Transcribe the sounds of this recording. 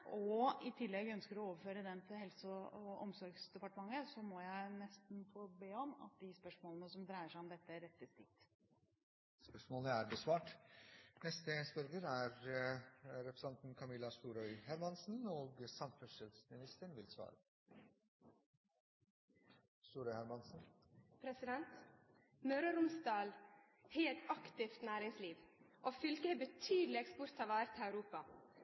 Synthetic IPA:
ʔɔɪt̪ʰɪlːɛɡœnskəɾɔoːʋəɾføːɾəd̪ɛnt̪ʰɪhɛlsɔɔɔ̰msɔɾɡsd̪ɛpɑʈəmɑŋːəsɔmɔjæɪnɛst̪n̩foːbeːɔmɑ̰t̪̚d̪ɪspœʂmoːlənəsɔmd̪ɾæɪəʂæɪɔmd̪ɛt̪ːəæɾɛt̪ːəst̪ɪk̚t̪ | spœʂmoːlnəæɾbəsʋɑːʈ | nɛst̪əspœɾɡəɾæɾ | ɾɛpɾəsɛnt̪n̩kʰɑmɪlɑst̪uːɾœʏhæɾmɑnsn̩oːɡsɑnfœʂɛlsmɪnɪst̪əɳʋɪlsʋɑ̰ːɾə | st̪uːɾœhæɾmɑnsn̩ | pʰɾɛsɪd̪ɛnt̪ | mœɾɑɾʊmsd̪ɑːl | heːlt̪ɑkt̪ɪft̪næːɾɪŋsliːʋʔoːfʏlkəheːbət̪ʰyːd̪lɪɛkspʊɾt̪ʰɑʋɑːɾət̪ʰːɑʉɾuːpɑ

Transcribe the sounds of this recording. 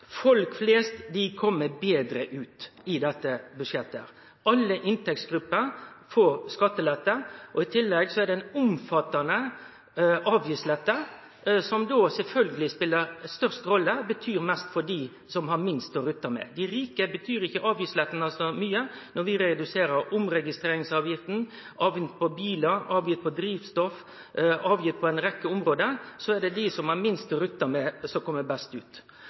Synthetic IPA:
fɔlkfleːst̪d̪ɪkʰɔmːəbeːd̪ɾəʔʉːt̪ɪd̪ɛt̪ːəbʉʂjɛt̪ːə | ʔɑlːəʔɪnt̪ɛk̚sɡ̥ɾʉpːəɾfɔɾskɑt̪ːəlɛt̪ːəʔɔɪt̪ʰɪlːɛɡsɔɛd̪ɛɛnʊmfɑt̪ːɑnə | ʔɑːʋjislɛt̪ːə | sɔmd̪oːsɛlfœlɡəlɪspɪlːəɾst̪œʁst̪ɾɔlːəbət̪ʰyːɾmɛst̪fɔɖiː | sɔmhɑɾmɪnst̪ɔɾʉt̪ːɑmɛ̰d̪ɪɾiːkəbət̪ʰyːɾɪçːəʔɑːʋjɪslɛt̪ːnɑsɔmyːənɔɾʋɪɾɛd̪ʉseːɾəɾʊmɾɛɡɪst̪ɾeːɾɪŋsɑːʋjɪft̪n̩ | ʔɑːʋɪt̪̚pʰɔbiːləɾɑːʋjɪt̪̚pʰɔd̪ɾiːʋst̪ɔf | ɑːʋjɪt̪̚ːpʰɔɛɪnɾɛkːəʊmɾoːd̪əsɔɛɖ̪ɛd̪ɪsɔmhɑɾmɪnst̪ɔɾʉt̪ːɑmɛsɔkʰɔmːəbɛst̪ʉ̰ːt̪

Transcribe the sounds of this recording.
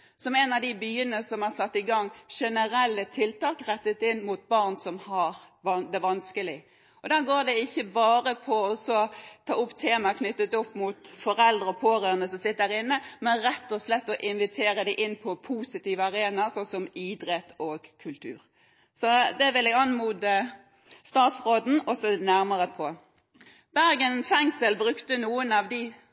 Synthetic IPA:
sɔmɛnɑʋd̪ɪbyːənəsɔmæʁsɑt̪ːɪɡɑŋːʂɛnəɾɛlːət̪ʰɪlt̪ɑːkɾɛt̪ːət̪ɪnːmut̪̚bɑʁnsɔmhɑɾ | ʋɑd̪ɛʋɑnskəlɪ | ɔd̪æɡoːd̪ɛɪçːəbɑːɾəpʰɔɔsɔt̪ʰɑːʊpːt̪ʰeːmɑkʰnʏt̪ːət̪ɔpːmut̪fɔɾɛld̪ɾʁəɔpʰoːɾøːʁənəsɔmsɪt̪ədæɾɪnːəmɛnɾɛt̪ːɔslɛt̪ːɔʔɪnʋɪt̪ʰeːɾəd̪æɪʔɪnːpʰɔpʰusɪt̪iːʋəɑʁeːnɑsɔsɔmɪd̪ɾɛt̪oːɡkʰʉlt̪ʰʉ̰ːʁ | sɔd̪ɛʋɪlɛɡɑnmuːd̪ə | st̪ɑːt̪sʁoːd̪n̩ɔsɔnæɾməʁəpʰɔ | b̥æɾɡənfɛŋsəlbɾʉkt̪ənuːənɑʋd̪ɪ

